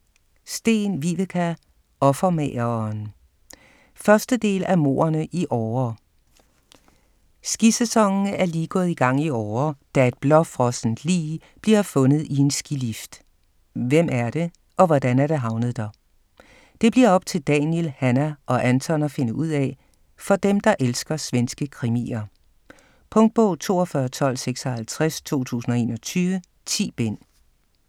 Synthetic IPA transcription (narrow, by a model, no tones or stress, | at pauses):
sd̥e̝̰ːnʋiʋekʰæ | ɒ̽fɐmeɐn | fɶɐsd̥əd̥e̝̰ːlæmo̝̰ːɐnəʔiʔɒːɐ | sɡ̥isesɒ̽ŋn̩æɐliːɡ̥ɔ̽ːð̩ˠiɡ̥ɑ̈ŋ̰iɒːɐd̥æe̝d̥̚b̥lɒ̽fʁɒ̽sn̩̥lḭː | b̥liɐfɔ̽nð̞̩ˠie̝nsɡ̥ilifd̥ | ʋem̰æɐd̥e̝ | ʔɒ̽ʋɒd̥ænæɾ̥eɦɑ̈ʊnəð̞̩ˠd̥ɒ | d̥e̝b̥liɐɒ̽b̥̚t͡sʰe̝ld̥ɛnjelhænæʔɒ̽ʔænt͡sʰɒ̽nɐfe̝nəuð̰ˠɛ | fɒ̽d̥emd̥ɑ̈ʔelsɡ̥ɐsʋensɡ̥əkʰʁimḭɐ | pʰɔ̽ŋd̥̚b̥ɔ̽ʊt͡sʰo̝̰ːɒfɶːɐt͡sʰɒ̽l̰seɡ̥sɒ̽hælt͡sʰʁast͡sʰo̝̰ːt͡sʰṵːsn̩ɒ̽e̝̰ːnɒ̽t͡sʰyːʋə | t͡sʰḭːb̥en̰